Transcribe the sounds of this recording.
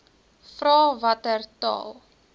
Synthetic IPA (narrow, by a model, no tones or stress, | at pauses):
frɑːvɐtərtɑ̰ːlˠ